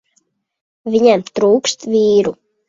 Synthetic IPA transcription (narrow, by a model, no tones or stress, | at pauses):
vʲiɲamt̪ɾuːkst̪vʲiːɾu